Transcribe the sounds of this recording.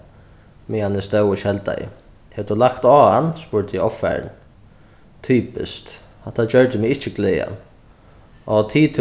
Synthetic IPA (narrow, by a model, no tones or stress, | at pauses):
mɪanɪst̪œwəʃɛlt̪a̰jɪ̰ | hɛvd̪ʊlakt̪ɔːanːspʊɾt̪ʰɔfɛ̰ɹ̰n | t̪ʰyːpɪ̰st̪ | hat̪ʰad͡ʒœɹd̪ɪmɪɪht͡ʃːɪɡleːa̰ | ʔɔt̪ʰiːt̪ʰ